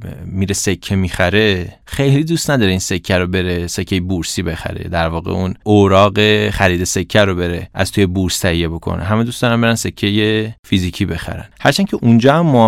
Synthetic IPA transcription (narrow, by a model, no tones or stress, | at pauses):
miːɾesekʰːemiːxæɾe̞ | xe̞jlid̪ust̪næd̪ɒːɾeinse̞kʰːæɾobe̞ɾese̞cʰːejebuɾsibexæ̰ɾe̞̰d̪æɾvɒːɣḛunoɾɒːɢe̞χæɾiːd̪e̞se̞kʰːæɾobe̞ɾeʔæ̰z̥t̪ʰujebuɾst̪ʰæhijebo̞kʰo̰nʔḛɦæmed̪usd̪ɒːɾæmbeɾænse̞cʰːejefiziːcʰiːbe̞xæ̰ɾæ̰nhæɾt͡ʃʰæncʰeʔund͡ʒɒːhæmːo